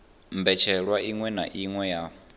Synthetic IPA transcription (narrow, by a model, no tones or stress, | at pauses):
mbɛt͡ʃʰɛɺwaiŋwɛnaʔiŋwɛja